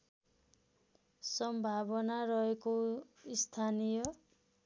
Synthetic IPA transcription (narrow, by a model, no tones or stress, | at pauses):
sʌmbʱabʌnarʌekoist̪ʰanijʌ